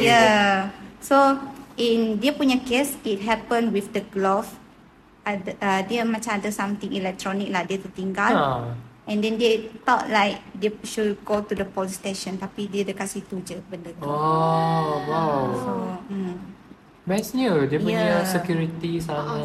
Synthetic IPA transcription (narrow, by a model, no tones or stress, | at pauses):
ja | soĩndepuɲəkesit̚ɦɛpə̃nwifdəɡlof | adədemãt͡ʃãadəsãmt̪ĩŋilɛk̚t̪ɹɔnik̚ladet̪ut̪ĩŋɡal | ʔɛ̃ndɛ̃ndet̪ɔt̚lajk̚deʃud̚ɡotudəpɔlisteʃə̃nt̪apidedəkasit̪ud͡ʒəbəndət̪ɔ | waso | bɛsudiəjpuəsəkjuɹit̪isana